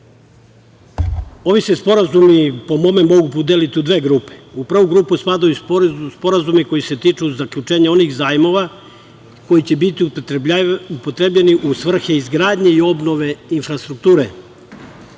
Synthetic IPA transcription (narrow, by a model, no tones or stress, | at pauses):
o̞ʋisespo̞ɾazumipo̞momemo̞ɡupud̪elit̪iud̪ʋe̞ːɡɾuːpe̥upr̩ʋuɡɾuːpuspaːd̪ajuspo̞ɾazumiko̞jise̞t̪iːt͡ʃuzakʎʲut͡ʂeːɲao̞niɣzaːjmo̞ʋa | ko̞jit͡ɕe̞bit̪i | upot̪ɾebʎeniʔusʋr̩xeizɡɾaːd̪ɲeio̞bno̞ʋe̞infɾast̪ɾuk̚t̪uːɾe